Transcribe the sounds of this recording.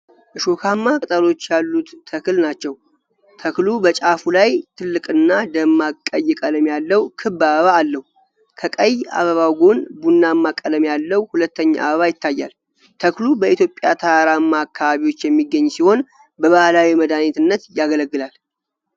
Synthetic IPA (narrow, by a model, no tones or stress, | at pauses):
ʔɨʃokʰamːakʼt̪ʼəlo̞t͡ʃːjalːut̪ːʰəkɨlnat͡ʃːɛw | t̪ʰəklubət͡ʃʼafulajt̪ʰɨlːɨkʼɨnːad̪əmːakʼːəjːɪkʼələmjalːəwkʰɨbːaβəβaːlːəhu | kʰəkʼəjːa̰βəβawɡo̞nbunːamːakʼːələmjalːəwhulət̪ːəɲːa̰ʔa̰βəβajɪt̪ʰːajːa̰l | t̪ʰəklubəʔit̪ʰjo̞pʼjat̪ʰaaɾamːaːkʰːaβaβiwo̞t͡ʃːjɛmːiɡːəɲːsiho̞n | bəβahlawiməd̪anet̪ɨnːət̪jaɡələɡːɨlal